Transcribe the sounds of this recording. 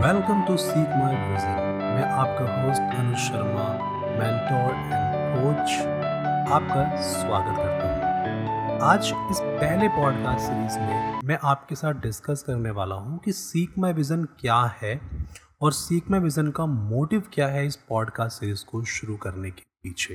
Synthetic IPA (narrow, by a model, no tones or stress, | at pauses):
ʋɛlkə̃mʈusiːkmaːɪʋɪzən | mɛ̃ʔaːp̚kaɦoːzʈʰɐ̃nʃɐɾma | mɛ̃ːɳʈo | ɪ̃npoːt͡ʃ | aːp̚ka | swaːɡət̪kɐɾt̪aɦũ | aːd͡ʒɪspɛɦlepɔːɖkaːsʈseɾiːzmẽmɛ̃ʔaːp̚kesaːt̪̚ʰɖɪskɐskɐɾneʋaːla̰ɦũkisiːkmaːʋɪzənkjaːhɛ | ɔːɾsiːkmaʋɪzənkamoːʈɪʋkjaːɦɛɪspɔːɖkaːsʈsiːɾiːzkoʃʊɾukɐɾnekepiːt͡ʃʰeː